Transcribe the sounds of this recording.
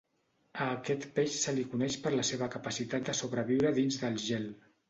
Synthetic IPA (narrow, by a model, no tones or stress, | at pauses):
əːkɛt̪peʃsəlikunɛʃpəɾləseβ̞əkəpəsit̪at̪̚d̪əsoβɾəβiwɾəðinzðəlˠʒɛl